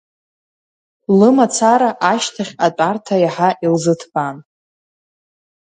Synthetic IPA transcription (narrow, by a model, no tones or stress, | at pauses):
lɨmat͡sʰaɾaʔaʃtʰaχʲat͡pʼartʰajaħaʔilzɨtʰban